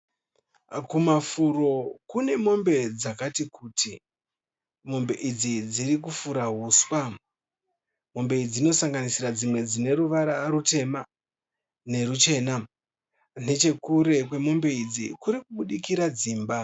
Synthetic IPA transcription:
kumafuro̞kune̞mo̞mbe̞d͡zakatikuːtʰi | mo̞mbe̞ʔid͡zid͡ziɾik̬ufuɾaɦuːswa | mo̞mbe̞id͡zino̞saŋɡanisirad͡zimwe̞d͡zine̞ɾuʋaɾaːɾute̞ma | ne̞rut͡ʃe̞na | ne̞t͡ʃe̞kuɾe̞kwe̞mo̞mbe̞id͡zḭkuɾikuɓuɗikiɾad͡ziːmba

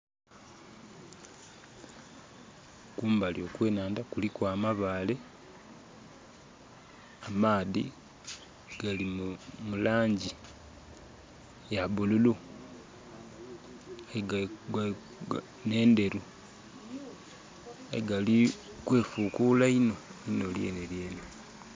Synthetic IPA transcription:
kuːmbaljo̞ːkwe̞ːnaːndakulikwaːmaβaːle̞ | amaːðḭ | ɡ̥alimulaːɲɟi | jaβululu | ɡɡ | ne̞ːnde̞ɾu | eɡali | kwe̞ːfuːkuːlaino̞ino̞ljḛnelje̞ːne

